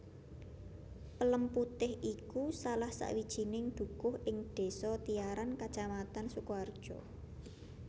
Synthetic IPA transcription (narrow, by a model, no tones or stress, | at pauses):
pələmput̪ɪhʔikusalahsa̰ʔwid̥ʒ̥i̤nɪŋd̪̥ṳkʊhʔɪŋɖ̪̥e̤sɔt̪ijaɾankat͡ʃamat̪ansukuard̥ʒ̥ɔ